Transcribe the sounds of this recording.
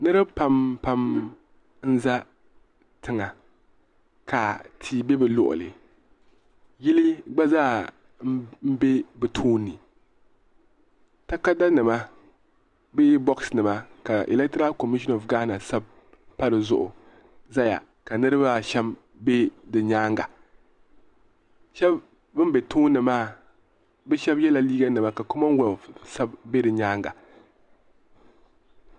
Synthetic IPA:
nɨ˦ɾɨ˦bpa˨mpa˦m | n̩˦za˦ | tɨ˦ŋa˨ | ka˨tʰiː˨be˦bɨ˨lʊ̰˨ʔʊ̰˨lɨ̰˨ | ji˦li˦ɡ͡ba˦zaː˦˨ | m̩˦m̩˦be˦bɨ˨tʰoː˦nːɨ˨ | ta˦ka˦da˦nɨ˨ma˦ | beː˦bɔ˦ksnɨ˨ma˦ka˨ʔḭ˨lɛ˦k̚tɾa˦lko˨mi˦ʃɔ˦no˨fɡa˦na˨sa˦b̚ | pa˦ɾɨ˨zʊ̰˦ʔʊ̰˨ | za˦ja̰˨ | ka˨nɨ˦ɾɨ˦ba˦ʃɛ˦m | be˦dɨ˨ɲaː˦ŋɡa˨ | ʃɛ˦b | bɨ˦m˦be˨tʰoː˦nːɨ˨maː˦ | bɛ˦ʃɛ˦bjɛ˦la˨liː˦ɡa˦nɨ˨ma˦ka˨ko˦ma˦nwɛ˨sa˦b̚be˦dɨ˨ɲaː˦ŋɡa̰˨

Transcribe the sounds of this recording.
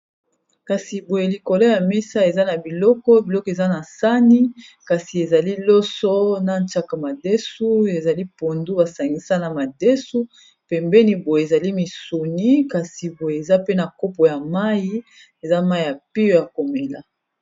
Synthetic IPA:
ka˨si˨bo˨je˨li˨ko˨lɔ˦ja˨me˦sa˦e˨za˦na˨bi˨lɔ˦kɔ˦bi˨lɔ˦kɔ˦e˨za˦na˨sa˦ni˦ka˨si˨e˨za˨li˦lɔ˦sɔ˦na˦nt͡ʃa˦ka˨ma˨de˦su˦e˨za˨li˦po˨ndu˦ba˨sa˨ŋɡi˦sa˦na˨ma˨de˦su˦ | pɛ˨mbɛ˦ni˦bo˨je˨e˨za˨li˦mi˨so˨ni˦ka˨si˨bo˨je˨e˨za˦pe˦na˨ko˦po˨ja˨ma˦ji˦ | e˨za˦ma˦i˦˨ja˨pi˦jo˦ja˨ko˨me˨la˦

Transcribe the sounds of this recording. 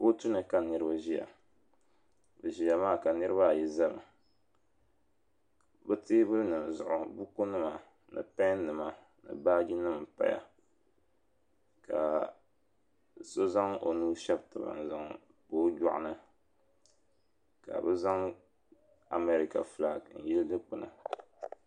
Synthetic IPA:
bo˦tu˦nɨ˨ka˨nɨ˨ɾɨ˦ba˦ʒi˦ja̰˨ | bɨ˨ʒi˨ja˨maː˦˨ka˨nɨ˦ɾɨ˦βa˦˨jɛ˦za˦lɨ̰˨ | bɨ˦teː˦bɨ˦nɨ˨m˨zʊ̰˨ʔʊ˨bu˦ko˦nɨ˦ma˨ | nɨ̰˨pɛ̃˦nɨ˨ma˨ | nɨ̰˨baː˦ɡi˦nɨ˦m˨pa̰˦ja̰˨ | ka̰˨ | so˦za˦ŋo̰˨nuː˦ʃɛ˦btɨ˨ba̰˨n̩˨za˦ŋ | poː˦ɟɔ˦˨ʔʊ̰˦nɨ˦ | ka̰˨bɨ˦za˦ŋ | a˨me˨ɾi˦ka̰˨fla˨n̩˨jɛ˦ldɨ˦k͡pɨ˦na̰˨

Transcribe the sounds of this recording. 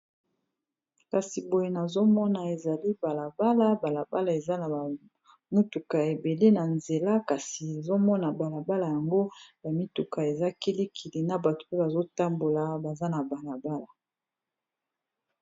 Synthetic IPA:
ka˨si˨bo˨je˦na˨zo˦mɔ˦na˨e˨za˨li˦ba˨la˨ba˦la˦ba˨la˨ba˦la˨e˨za˦na˨a˨ | mu˦tu˨ka˨e˨be˨le˦na˨nze˨la˦ka˨si˨e˨zo˦mɔ˦na˨ba˨la˨ba˦la˨ja˨ŋɡo˦ba˨mi˦tu˨ka˨e˨za˦ki˦li˦kʰi˨li˨na˨ba˨to̥˨pe˦ba˨zo˦ta˦mbo˨la˨ba˨za˦na˨ba˨la˨ba˦la˨

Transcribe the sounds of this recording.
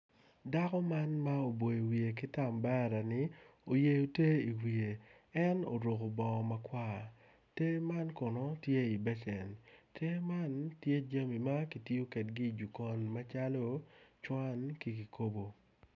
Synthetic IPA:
da˦kɔ˦ma˦nma˦o˨bo˨e˨wi˨e˨k̬ɪ˦ta˨mba˦ɾa˨nɪ˨o˨je˨jo˨te˦i˨wi˨e˨ | ɛ˦no̰˨ɾo˨ko˨bɔ˨ma˨kwa˦˨ | te˦ma˦nkɔ˨no˨tje˦i˨bɛ˦t͡ʃɛ˨ntʰe˦ma˦ntje˦d͡ʒa˦mi˨ma˦ki˨ti˦o˦ke˨tɡi˦˨d͡ʒu˨ko˨nma˦t͡ʃa˦lo˦t͡ʃwa˦nki˦ki˨ko˦bo˨

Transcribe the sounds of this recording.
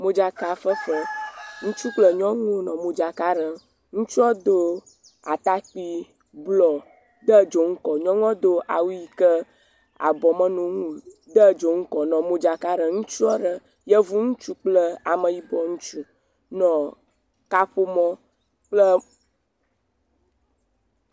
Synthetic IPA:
mo˦d͡ʒa˨ka˨fə˦fə˦ŋũ˦t͡ʃu˦k͡plə˨ɲɔ̃˦ŋõ˦nɔ̃˨mo˨d͡ʒa˨ka˦ɖə˨ | ŋũ˦t͡ʃu˦ɔ˦d̪o˦ | a˨t̪a˦k͡pi˦ | blɔ˨ | d̪ə˦d͡ʒo˨ŋ̩˦kɔ˨ɲɔ̃˦ŋɔ̃˦d̪o˦ʔa˨wu˦ji˨kə˦ | a̰˨bɔ˨mə̃˦nũ˨ŋũ˦ | d̪ə˦d͡ʒo˨ŋ̩˦kɔ˨nɔ̃˨mo˦d͡ʒa˨ka˦ɖə˨ŋũ˦t͡ʃu˦ɔ˦ɖə˨ | jə˦vu˦ŋũ˦t͡ʃu˦k͡plə˦a˨mə˨ji˦bɔ˨ŋũ˦t͡ʃu˦ | nɔ̃˨ | ka˦ɸo˦mɔ̃˦ | k͡plə˦

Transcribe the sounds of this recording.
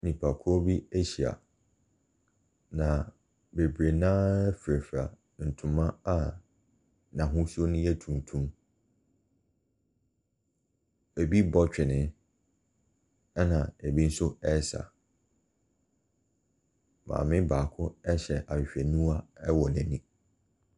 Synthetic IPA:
nĩ˨pʰa˨kʰʊ˦ɔ˦bi˦e˦ɕi˨a̰˨ | nã˨ | be˨bɾe˨nãː˦fɾæ˨fa̰˨ | n̩˨tʰʊ̃˨mã˦a˦˨ | nã˨ɦʊ̃˦su˦o˦nʊ̃˦jɛ˦tʰũ˨m˨tʰũ˦m | e˨bi˦bɔ˦t͡ɕᶣɪ˨nɪ̃˦ | ɛ˦nã˨ɛ˨bi˦n̩˦sʊ˦ɛ˦sa̰˨ | mã̰ː˨mɪ̃˦baː˨kʰʊ˦ɛ˦ɕɛ˨ʔa˨ɪ˨ɕᶣɛ˨nũ˦a˦ɛ˦wɔ˨næ̃˨nĩ˦

